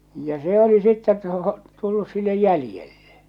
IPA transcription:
jɑ se oli sitːet tu tulːus silːej jælĭjelːe̥

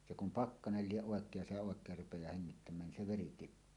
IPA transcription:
se kum pɑkːɑnel lieʔ ʔoˑekˑeːj jɑ se oˑekˑeːr rupejɑː heŋːitːæmˑæːn nin se ʋeri tipːuː

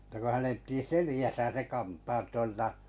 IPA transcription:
ə̆tæ ko hænem pĭti selijæsæ se kɑntɑːt tuoltɑ

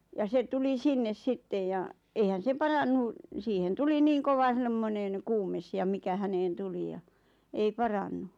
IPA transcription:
jɑ se tuli sinːes sitːej jɑ eihæn se pɑrɑnːu siːhen tuli niːŋ koʋɑ semːoneŋ kuːmes jɑ mikæ hæneːn tuli jɑ ei pɑrɑnːu

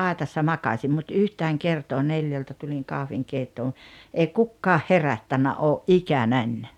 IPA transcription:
ɑˑetɑsːɑ mɑkɑsʲim mut yhtæːŋ kertoː neljæltæ tuliŋ kɑhʋiŋkeitːoːn̞ eˑi kukːɑːh herætːænːæ ʔoːʔ ʔikænænʲ

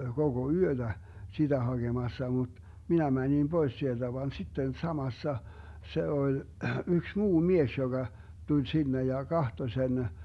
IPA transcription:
koɡ̊o yød̥æ sid̥æ hɑɡ̊emɑsːɑ mut minæ mænʲim b̥ois sield̥æ ʋɑn sitːen sɑmɑsːɑ se olʲ yks muː mies joɡ̊ɑ tulʲ sinːe jɑ kɑhto sen

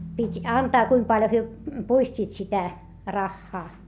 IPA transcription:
pitʲ ɑntɑː kuim pɑljo hyø puistʲiːt sitæ rɑxːɑː

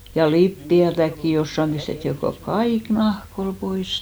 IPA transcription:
jɑ lipːiætækːi josːɑm pistetːi ko kɑik nɑhk ol pois

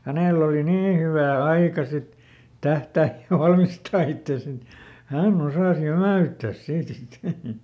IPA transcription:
hæneˑl oli niː hyʋæˑ ɑikɑ sit tæhtæːj jɑ ʋɑlmistɑː itːeˑs et hænː osɑˑs jæmæˑytːæs siːtæ̆ sit

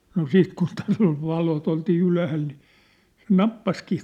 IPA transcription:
no siːt kun tæːlː ol ʋɑlot oltiː ylæhæl ni se nɑpːɑskiː

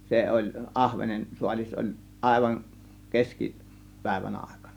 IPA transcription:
se olʲ ʔɑhʋenen suɑlʲis olʲ ʔɑˑe̝ʋɑn keski pæˑe̝ʋæn ɑˑe̝kɑ̥n̥ɑ̥

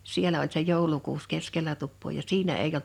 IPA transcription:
sielæ olʲ se joˑulukuːs keskelæ tupːoː jɑ siːnæ eij

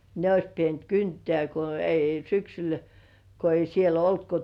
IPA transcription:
ne ois pient kyntĕæˑ ko ei syksyl ko ei siel olt ko

